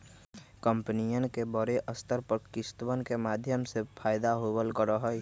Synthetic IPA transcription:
kəmpənijənkebəɾeʔəst̪əɾpəɾkɪst̪wənkemaːd̪ʱjəmsepʰaːɪd̪aɦobəlkəɾəɦəj

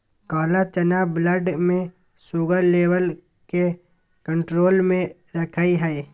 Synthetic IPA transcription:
kaːlat͡ʃɐnaːbləɖmẽ | suːɡəɾleːwəl | ke | kə̃ɳʈɾoːlmẽ | ɾɐkʰaiɦɛː

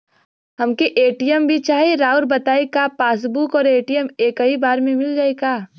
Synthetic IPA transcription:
ɦɐmkeʔeːʈijəmbʱit͡ʃaːɦeɾaːʊɾbɐt̪aːekapaːs̬bukɔːɾeːʈijəmeːkɐɦibaːɾmẽmɪld͡ʒaːeɡaː

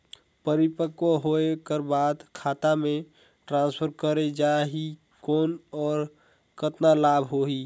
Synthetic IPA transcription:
pəɾɪpəkoɦoekəɾbaːd̪kʰaːt̪amẽ | ʈɾãːnspʰəɾkəɾed͡ʒaɦi | kɔːnɔːɾ | kət̪nalaːbʱɦoɦi

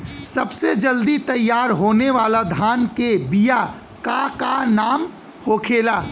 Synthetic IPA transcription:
sɐbsed͡ʒɐld̪it̪ɐjːaːɾɦoːneʋaːlad̪ʱaːnkebija | kakanaːm | hoːkʰeːlaː

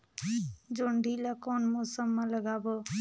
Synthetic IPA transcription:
d͡ʒoɳɖʱilakonmosəmːeləɡabɔ

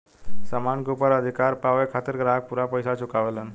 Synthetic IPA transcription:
səmanɡupəɾəd̪ʱikaɾpaʋekʰat̪əɾɡɾaɦək̚puɾapəjsat͡ɕʰukaʋlən

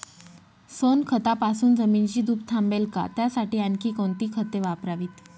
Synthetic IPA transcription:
sonkʰət̪apasuːnd͡zəmiːnt͡ɕiːd̪uːp̚t̪ʰambelka̰t̪jasaʈiːənkiːkõnt̪iːkʰət̪eʋapɾaʋiːt̪

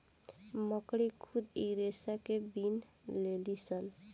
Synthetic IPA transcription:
mɔkɽikʰud̪iɾesakebin | lelisən

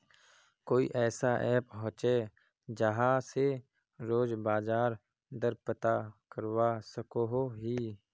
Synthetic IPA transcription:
koːḭʔɛːsaʔɛːpɦɔ̃ːt͡ʃe | d͡ʒəɦãse | ɾoːd͡ʒbaːd͡ʒaːɾ | d̪əɾpət̪akəɾwasəkoɦoɦiː

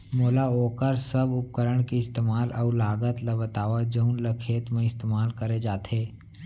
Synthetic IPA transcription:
moːlaoːkəɾsəbʊp̚kəɾəɽ̃kiɪst̪eːmaːlʔɐulaːɡət̪labət̪aːʋad͡ʒəʊnləkʰeːt̪mẽɪst̪eːmaːlkəɾed͡ʒaːt̪ʰeː

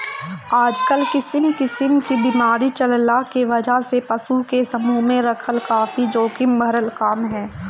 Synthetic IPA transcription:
aːd͡ʒkəlkɪsəmkɪsəmkibiːmaːɾit͡ʃɐllakeʋɐd͡ʒaɦsepɐsukesɐmumẽɾɐkʰəlkaːfid͡ʒoːkɪmbʱɐɾəlkaːmɦɛː

